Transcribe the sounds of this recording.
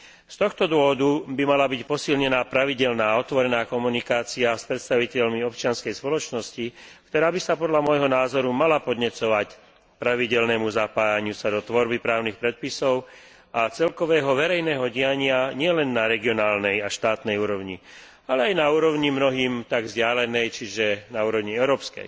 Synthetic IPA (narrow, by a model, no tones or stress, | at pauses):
st̪ɔxt̪ɔd̪ʊɔʋɔd̪ubimalabicpɔsilɲɛnaːpɾaʋiɟɛlnaːɔt̪ʋɔɾɛnaːkɔmunikaːt͡siaspɾɛt̪st̪aʋicɛʎmiɔpt͡ʃɪanskɛjspɔlɔt͡ʃnɔscikt̪ɔɾaːbisapɔd̪ʎamɔjɦɔnaːzɔɾumalapɔd̪ɲɛt͡sɔʋac | pɾaʋiɟɛlnɛːmuzapaːjaɲɪusad̪ɔt̪ʋɔɾbipɾaːʊnixpɾɛt̪̚pisɔʊ | at͡sɛlkɔʋɛːɦɔʋɛɾɛjnɛːɦɔɟɪjaɲɪaɲɪɛlɛnːaɾɛɡiɔnaːlnɛjaʃt̪aːt̪nɛjuːɾɔʊɲi | alɛajnauːɾɔʊɲimnɔɦiːmt̪aɡvzɟɪalɛnɛjt͡ʃiʒɛnauːɾɔʊɲiɛʊɾɔːpskɛ̰j